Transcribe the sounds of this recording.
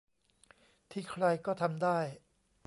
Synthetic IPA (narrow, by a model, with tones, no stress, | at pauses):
t̪ʰiː˥˩kʰɾa˧jkɔː˥˩t̪ʰa˧mdaː˥˩j